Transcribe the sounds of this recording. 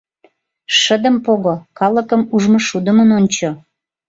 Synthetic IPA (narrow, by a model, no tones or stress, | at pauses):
ʃəd̪əmpoɣokɑləkəmuʒmoʃud̪əmənonʲt͡ɕo